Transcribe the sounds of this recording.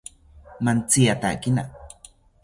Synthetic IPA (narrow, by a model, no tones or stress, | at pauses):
mant͡sijat̪a̰kina̰